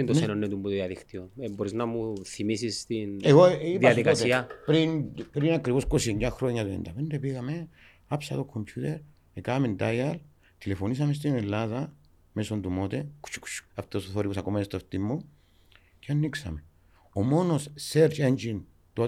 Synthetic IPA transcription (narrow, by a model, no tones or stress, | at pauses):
int̪onsenonːet̪umbuððiaðikt̪ionboɾiznamuθimisist̪ineɣoipaaðikaost̪eiapɾinpɾinakɾiβoskosiɲɟaxɾoɲːaðḛnd̪a̰pend̪epiɣame | apsa̰ðokʰːomcʰut̪eɾ | ekamend̪ajal | t̪ilefonis̬ames̬t̪inelːaða | mesond̪umot̪eku̥t͡ʃːu̥ku̥t͡ʃu̥aft̪osoθoɾipusakomeest̪oft̪imːu | ceanːiksa̰me | omonosseɾt͡ʃend͡ʒin | t̪o